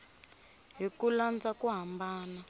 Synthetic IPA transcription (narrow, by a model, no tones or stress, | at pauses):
ɦikuland͡zakuɦambaːna